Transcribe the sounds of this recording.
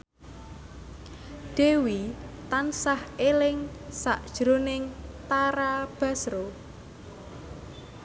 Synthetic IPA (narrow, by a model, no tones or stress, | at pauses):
d̪̥e̤wit̪ansahelɪŋsaʔd̥ʒ̥ɾonɪŋt̪aɾab̥a̤sɾo